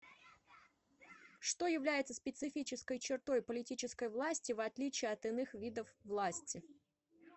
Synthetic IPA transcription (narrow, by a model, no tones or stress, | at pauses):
ʂt̪o̞jɪvlʲæjɪt̪sə̥spʲɪt̪sɨfʲit͡ɕɪskəjt͡ɕɪrt̪o̞jpəlʲɪtʲit͡ɕɪskəjvlˠasʲtʲɪvɐt̪lʲit͡ɕɪːɐt̪ɨnɨxvʲid̪əfvlˠasʲtʲɪ